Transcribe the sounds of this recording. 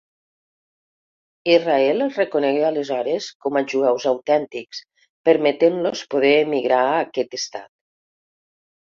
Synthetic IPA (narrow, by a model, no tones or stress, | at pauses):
izraɛlezrekonɛɣealəzɔɾeskɔmaʒuɛwzawt̪ɛnt̪iks | pəɾmet̪enlospoð̞eːmiɣɾaəkɛt̪əst̪a̰t̪̚